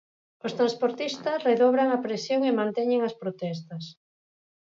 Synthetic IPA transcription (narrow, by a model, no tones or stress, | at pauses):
ost̪ɾãnspoɾt̪ist̪ɐsreðoβɾaŋɐpɾesjoŋemãnt̪ɛɲeŋaspɾot̪ɛs̬t̪ɐs